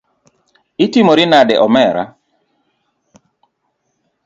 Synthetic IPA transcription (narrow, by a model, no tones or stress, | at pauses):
ɪtimoɾinadɛʔɔmɛɾa̰